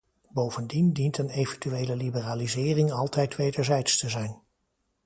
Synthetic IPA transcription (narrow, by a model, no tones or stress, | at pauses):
bowvəndindintənejvəntyʋejləlibəraːlizɪːrɪŋɑlˠtɛjtʋejdəɹzɛjtstəzɛjn